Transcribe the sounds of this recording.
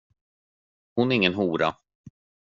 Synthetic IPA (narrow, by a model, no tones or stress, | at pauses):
hʊnɛɾɪŋːənɦuːɾa̰